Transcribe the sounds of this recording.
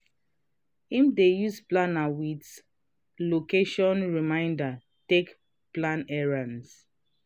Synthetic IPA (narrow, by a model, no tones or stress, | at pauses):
imdejusplanawit | lokeʃɔ̃nɹimãɪ̃nda | tek | plãnɛɹãns